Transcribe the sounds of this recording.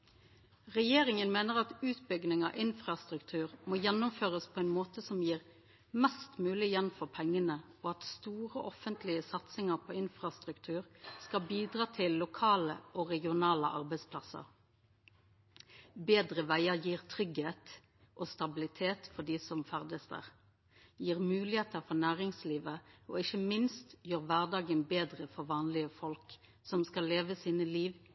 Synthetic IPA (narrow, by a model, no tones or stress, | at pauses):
ʁɛjeːʁɪŋənmeːnəʁɑt̪ʉːt̪bʏɡnɪŋɑ̰ːʔɪnfʁɑst̪ʁʉkt̪ʰʉːʁmoːjɛnːʊmføːʁəspʰɔːɛɪnmoːt̪əsɔmjiːʁ | mɛst̪mʉːlɪjɛnfɔʁpʰɛŋːənə | ɔɑt̪st̪uːʁəʔɔfənt̪ʰlɪəsɑt̪sɪŋəʁpʰɔɪnfʁɑst̪ʁʉkt̪ʰʉːʁskɑbiːd̪ʁɑːt̪ʰɪlːʊkʰɑːləʔɔʁɛɡɪʊnɑːləʔɑʁbɛɪspʰlɑsə̰ʁ | beːd̪ʁəʋæɪəʁjiːʁt̪ʰʁʏɡheːt̪ | ʔɔst̪ɑbɪlɪt̪ʰeːt̪fɔɖ̪iːsɔmfæʁd̪əsd̪ə̰ʁ | jiːʁmʉːlɪheːt̪əʁfɔʁnæːʁɪŋsliːʋəoːɪçəmɪnst̪jøːʁʋæʁd̪ɑːɡənbeːd̪ʁəfɔʁʋɑːnlɪəfɔlk | sɔmskɑlːeːʋəsiːnəliːʋ